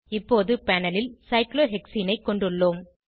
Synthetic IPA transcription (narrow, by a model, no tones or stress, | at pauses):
ɪpːoːðɯpɐnɐlɪlsɐɪkloːɦɛksiːnɐɪkːɔɳɖɯɭːoːm